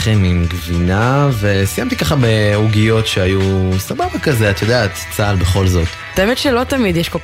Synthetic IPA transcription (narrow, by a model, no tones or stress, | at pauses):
χemimɡvinave̞sijamt̪ikaχabeuɡijo̞tʃeajusababakazeat̪jo̞d̪eat̪t͡salbeχo̞lzo̞t̪ | at̪aemet̪ʃelo̞t̪amid̪jɛʃkolk